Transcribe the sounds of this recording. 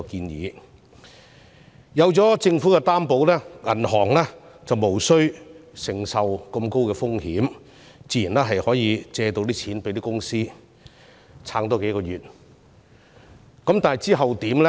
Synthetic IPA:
kiː˧njḭː˨˧ | jɐ˨˧wt͡sɔː˨˥t͡sɪ˧ŋfuː˨˥kɛ˧t̪aː˥mpo˨˥wlɛː˥ŋɐ̰˨˩nɦɔː˨˩ŋlɛ˥ | t͡sɐ˨wmo˨˩wsɵ˥ɥsɪ˨˩ŋsɐ˨wkɐ˧mko˥wkɛː˧fʊ˥ŋhiː˨˥m | t͡siː˧jiː˨˩nlɛː˥ɦɐ˨jhɔː˨˥jiː˨˧t͡sɛː˧t̪o˧wt̪̬iː˥t͡sʰiː˨˥npe˨˥jt̪iː˥kʊ˥ŋsiː˥ | t͡sʰaː˧˥ŋt̪̬ɔː˥ke˨˥jkɔː˧jyː˨˩t̚ | kɐ˨˥mt̪aː˨nɐ˨˩jt͡siː˥ɦɐ˨wt̪iː˨˥mlɛ˥

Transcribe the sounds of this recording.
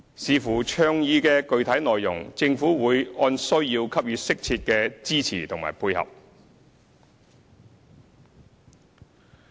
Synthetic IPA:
siː˨˧fuː˨˩t͡ʃʰœː˧ŋjiː˧kɛː˧kɵ˧ɥt̪ʰɐ˨˥jnɔː˨jːʊ̰˨˩ŋt͡sɪ˧ŋfuː˨˥wuː˨˧jɔː˧nsɵ˥ɥjiː˧wkʰɐ˥p̚jyː˨˧t̚sɪ˥k̚t͡sʰiː˧t̚kɛː˧t͡siː˥t͡sʰḭː˨˩t̪ʰʊ˨˩ŋma̰ː˨˩jpʰuː˧jhɐ̰˨p̚

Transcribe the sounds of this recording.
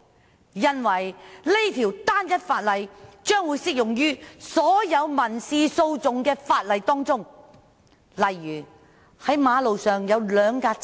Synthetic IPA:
jɐ˧nwɐ˨˩jle˥jt̪ʰiː˨˩wt̪aː˥njɐ˥t̚faː˧t̚lɐ˨jt͡ʃœː˥ŋwuː˨˧jsɪ˥k̚jʊ˨˩ŋjyː˥sɔː˨˥jɐ˨˧wmɐ˨˩nsiː˧so˧wt͡sʊ˨ŋkɛː˧faː˧t̚lɐ˨jt̪ɔː˥ŋt͡sʊ˥ŋ | lɐ˨jːyː˨˩ | hɐ˨˥jmaː˨˧lo˨wsœː˨ŋjɐ˨˧wlœː˨˧ŋkaː˧

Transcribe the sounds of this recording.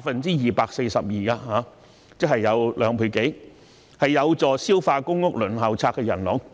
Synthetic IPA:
aː˧t̚fɐ˨nt͡siː˥jiː˨paː˧k̚se˧jsɐ˨p̚jiː˨aː˧haː˨˧˥ | t͡sɪ˥k̚hɐ˨jːɐ˨˧wlʔœː˨˧ŋpʰu˨˧˩ke˨˥ | hɐ˨jːɐ˨˧wt͡sɔː˨siː˥wfaː˧kʊ˥ŋːʊ˥k̚lɵ˨˩nɦɐ˨˩wt͡sʰaː˧kːɛ˧jɐ̰˨˩nlɔ˨˥ŋ

